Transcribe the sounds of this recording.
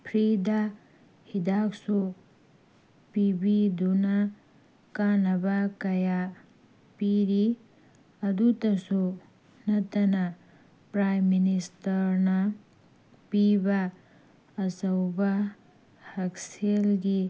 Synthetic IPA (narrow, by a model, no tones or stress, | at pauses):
pʰɾid̪a | hid̪aksu | pibid̪una | kanɐbakɐja | piɾi | ɐd̪ut̪ɐsu | nɐt̪ɐnɐ | pɾajmːinistɐɾna | piba | ɐsɐwba | hɐkselɡi